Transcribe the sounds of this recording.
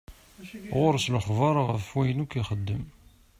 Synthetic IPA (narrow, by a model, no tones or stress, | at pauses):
ʁʊɾsləχvɑɾˤʁəfːwæjənukiχəd̪ːəm